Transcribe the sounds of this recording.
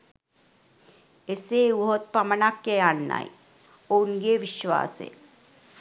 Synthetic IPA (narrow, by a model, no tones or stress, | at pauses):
eseuɦot̪̚pɐmənakːeanːa̰ḭ | ounɡeʋɪʃʋa̰ːsḛː